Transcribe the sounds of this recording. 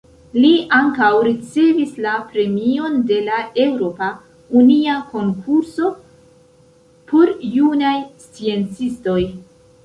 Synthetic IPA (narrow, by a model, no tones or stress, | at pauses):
liaŋkawɾit͡se̞vislapɾe̞mio̞nde̞lae̞wɾo̞pa | uniako̞ŋkʰuɾso̞ | pʰoɾːunajst͡sie̞nt͡sisto̞j